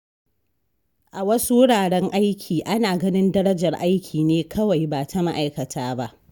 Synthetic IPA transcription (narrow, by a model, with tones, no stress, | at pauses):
ʔa˨wɐ˦su˦wʊ˦ɽaː˨ɽɛ˦ŋʔa˦jkʲʰiː˨ʔa˦naː˨ɡɐ˦nɪ˦ndɐ˦ɾɐ˦d͡ʒɐ˨rʔa˦jkʲʰiː˨neː˦kʰɐ˦wa˨jbaː˨tʰa˨ma˦ʔa˨jkɐ˨tʰaː˦ba˦ʔ